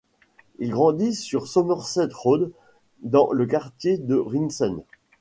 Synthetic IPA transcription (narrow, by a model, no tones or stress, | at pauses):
ilɡʁɑ̃d̪isːyʁsɔmœʁsɛt̪ʁod̪ː | ɑ̃ləkaʁt̪jed̪əʁinsɛn